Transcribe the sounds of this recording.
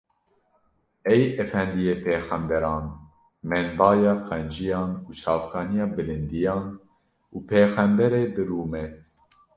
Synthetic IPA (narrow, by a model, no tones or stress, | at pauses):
ɛjɛfɛnd̪ijeːpʰeːxɛmbɛɾɑːn | mɛnbɑːjɑːqɛnd͡ʒijɑːnuːt͡ʃʰɑːfkʰɑːnijɑːbɨlɨnd̪ijɑːn | uːpʰeːxɛmbɛɾeːbɨɾuːmɛt̪